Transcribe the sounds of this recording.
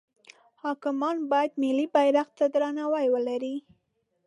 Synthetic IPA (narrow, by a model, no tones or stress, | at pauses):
hɑkɪmɑnbɑjad̪mɪlibajɾaqt̪ad̪ɾanawajwəlaɾi